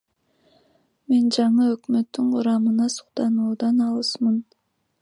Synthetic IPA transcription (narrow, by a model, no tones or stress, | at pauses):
me̞nd͡ʒɑɴɯøkmøt̪ːyɴqʰʊɾɑmɯnɑsu̥qt̪ɑnuːd̪ɑnɑlˠɯsmɯn